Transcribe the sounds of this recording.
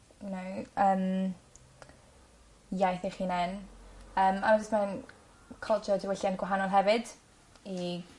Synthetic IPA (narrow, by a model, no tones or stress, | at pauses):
nowəːm | jajθiχiːnɛnəːmamad͡ʒɪstman | kʰɔlˠt͡ʃʰɔdiwɪɬjanɡwaɦanɔlˠɦɛvɨd̥ | i